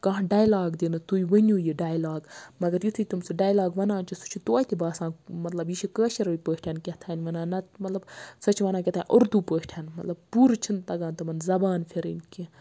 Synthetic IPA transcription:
kɐɦɖaːjlaːɡd̪inɨt̪ujʋɐnʲuːjiɖaːjlaːɡmɐɡɐɾjit̪ʰɨt̪umsɨɖaːjlaːɡʋɐnãːnt͡ʃʰusu̥t͡ʃʰut̪oːjt̪ʰʲibaːsãːmɐt̪lɐbjiʃikəːʃiɾipəːʃʲʈʰankʲeht̪ʰaːnʲʋɐnãːnɐmɐt̪lɐbsɐt͡ʃʰʋɐnaːkʲet̪ʰaːnʲʔoɾd̪uːpəːʃʈʰanmɐt̪lɐb̚puːɾt͡ʃʰint̪ɐɡaːnt̪ɐmɐnzɐbaːnpʰiɾḭnki

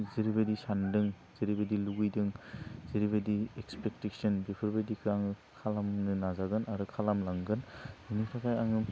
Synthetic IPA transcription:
ziɾibadisandɯŋ | ziɾibadiluɡɯjdɯŋziɾiβadiekspek̚teksɯnbepʰɯɾbadikʰɯaŋɯkʰalamnɯnazaɡɯnaɾɯkʰalamlaŋɡɯnhɯnikʰakʰajaŋɯ

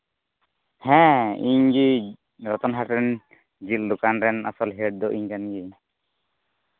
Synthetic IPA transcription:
hɛ̃iɲɡi | ɾɔt̪ɔnɦaʈɾɛn | d͡ʒit̪̚d̪ukanɾɛnasɔlɦɛʈ̚d̪ɔʔiɲkanɡi

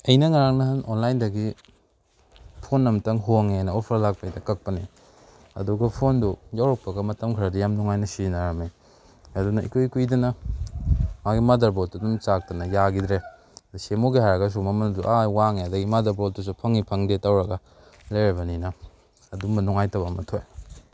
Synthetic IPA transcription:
ɐjnɐŋaɾaŋnɐɦɐnʔonlajndɐɡi | pʰonːɐmtɐŋɦoŋeajnɐopʰɐɾlak̚pɐjdɐkɐk̚pɐni | ɐ̰duɡɐpʰondujawɾɐk̚pɐɡɐmɐtɐmkʰɾɐdijamnuŋajnɐsinɐɾɐme | ɐdunɐḭkojkujdɐnɐ | maɡimadɐɾboltɐdumt͡ʃak̚tɐnɐjaɡidɾe | dusemoɡihaɾɐɡɐs̬umɐmɐnɐduʔawaŋeɐdɐɡimadɐɾboltus̬upʰɐŋipʰɐŋdetawɾɐɡɐ | lɐjɾɐbɐninɐ | ɐdumbɐnuŋajtɐbɐmɐtʰoj

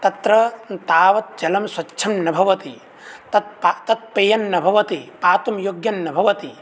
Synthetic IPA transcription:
t̪ɐt̪ɾɐt̪aːʋɐt̪̚d͡ʒɐlɐmswɐtːʃʰɐmnɐbʱɐʋɐt̪i | t̪ɐt̪̚pat̪ɐt̪̚pejɐnːɐbʱɐʋɐt̪ipaːt̪umjoːɡjɐnːɐbʱɐʋɐt̪i

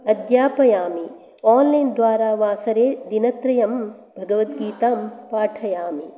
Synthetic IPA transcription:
ɐd̪jaːpɐjaːmi | aːnlɐjnd̪ʋaːɾaːʋaːsɐɾeːd̪inɐt̪ɾɐjɐm | bʱɐɡɐʋɐt̪ɡiːt̪aːmpaːʈʰɐjaːmi

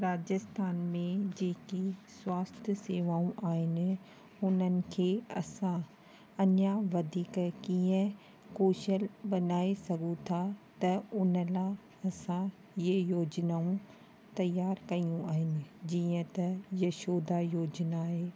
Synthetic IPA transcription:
ɾaːd͡ʑəst̪ʰaːnmẽd͡ʑeːkiswaːst̪ʰjəseːʋaːũʔaːɦɪnɪ̆ | ʊnənɪ̆kʰeːɐsã | ɐnjaʋɐd̪ʱiːkkiːə̃ | koːʃəlbɐnaːesɐɡũt̪ʰat̪ɐʊn̤əla | ɐsã | əjoːd͡ʑnaːũ | t̪ɐjaːɾkɐijũaːɦɪnɪ̆d͡ʑiːə̃t̪ɐjɐʃoːd̪ajoːd͡ʑnaːɦeː

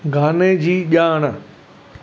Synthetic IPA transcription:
ɡʱaːned͡ʑiːʄaːɽ̃ə

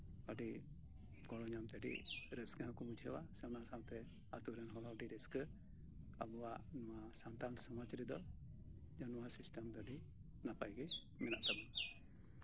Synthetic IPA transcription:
əɖi | ɡɔɽɔɲamt̪ɛɖḭɾəsɡaãkɔbud͡ʒʱɛwasɛwnasawt̪ɛ | at̪uɾɛnɦɔlaɖiɾəskə | a̰bɔwaʔnɔwasant̪ansɔmat͡ʃaɾid̪ɔ | d͡ʒɔnmasisʈəmd̪ɔɖi | napajɡɛ | mɛnaʔt̪aba

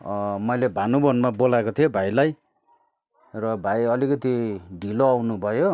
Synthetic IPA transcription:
mʌjlebʱanubʌnmabolaekot̪ʰijobʱajlaj | rʌbʱajʌlikʌt̪iɖʱiloawnubʱʌjo

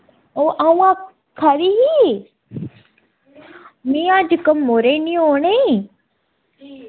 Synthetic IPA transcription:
oːʔaũã | kʰaɾiɦi | mĩãːd͡ʒkəmːoːɾenĩooːɳe

